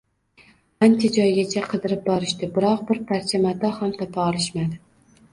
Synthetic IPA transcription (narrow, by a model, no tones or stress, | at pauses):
ant͡ʃʰad͡ʒɒjɡʲat͡ʃʰaqʰɨd̪ɪɾɪp̚bɒɾɪʃt̪ɪbɪɾɒq̚bɪɾpʰaɾt͡ʃʰamad̪ɒhamt̪ʰɒpʰaɒlˠɪʃmad̪ɪ